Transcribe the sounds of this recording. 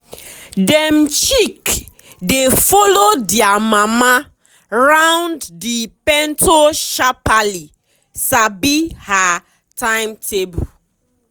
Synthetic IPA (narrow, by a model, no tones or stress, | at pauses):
dɛmt͡ʃik | defɔlodiamama | ɹãw̃nddipɛ̃ntoʃapali | sabiha | tãɪ̃mtʰebu